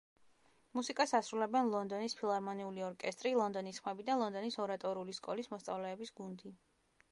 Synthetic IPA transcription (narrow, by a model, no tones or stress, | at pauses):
musikʼasasɾulɛbɛnlˠɔnd̪ɔnispʰilˠaɾmɔniuliɔɾkʼɛst̪ʼɾilˠɔnd̪ɔnisχmɛbid̪alˠɔnd̪ɔnisɔɾat̪ʼɔɾiuliskʼɔ̰lismɔst̪sʼa̰vlɛːbisɡund̪i